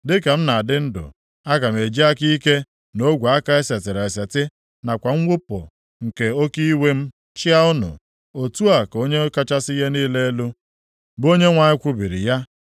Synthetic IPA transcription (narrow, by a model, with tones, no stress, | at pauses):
dɪ˦ka˨m̩˦na˨a˨dɪ˦n̩˦dʊ̰˨ | a˦ka˨m̩˨e˨d͡ʒi˦a˦ki˦ke˦ | no˦ɡʷa˨a˦ka˦e˦se˨tɪ˨ɾa˨e˨se˨tɪ˦ | na˨kʷa˨ŋ̩˦wʷʊ˦po̰˨ | ŋ̩˨ke˨o˦ki˦i˦we˦m̩˦ | t͡ʃɪ˦a˦ʊ˦nʊ̰˨ | o˨tu˦a˨ko˦ɲe˦ka˦t͡ʃa˦sɪ˦ɦe˦niː˦le˦e˦lu˦ | bo˦ɲe˦ŋʷa˨ɲɪ˦kʷʊ˦bi˨ɾḭ˨ja˦